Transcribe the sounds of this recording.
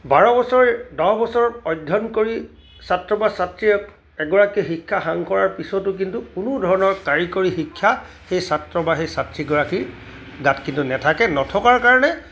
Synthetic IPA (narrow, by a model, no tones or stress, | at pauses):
baɹɔbɔsɔɹɛdɔɦbɔsɔɹɔtɔjdʱɔnkoɹi | satɹɔbasatɹi | ɛɡɔɹakixikʰːaxaŋkɔɹaɹpisɔtʊk̬intukunudʱɔɹɔnɔɹkaɹikoɹixikʰːja | xejsatɹɔbaxejsatɹiɡɔɹaki | ɡatkintunɛtʰakɛnɔtʰɔkaɹkaɹɔnɛ